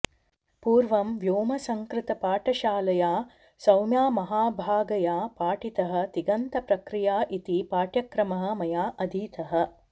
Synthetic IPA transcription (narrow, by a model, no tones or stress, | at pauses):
puːɾʋɐmʋjoːmɐsɐŋkɾɪt̪ɐpaːʈɐʃaːlɐjaː | sɐwmjaːmɐɦaːbʱaːɡɐjaːpaːʈit̪ɐɦɐ̆t̪iɡɐnt̪ɐpɾɐkɾijaːʔit̪ipaːʈjɐkɾɐmɐɦɐ̆mɐjaːʔɐd̪ʱiːt̪ɐɦɐ̆